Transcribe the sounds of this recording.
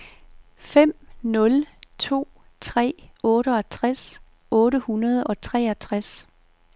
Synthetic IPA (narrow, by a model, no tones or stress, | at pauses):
fem̰nɔ̽lt͡sʰo̝̰ː | t͡sʰʁɛ̰ːɔ̽ːɾəɒt͡sʰʁas | ʔɔ̽ːɾəhunɐð̞ˠɒ̽t͡sʰʁɛ̰ːæt͡sʰʁas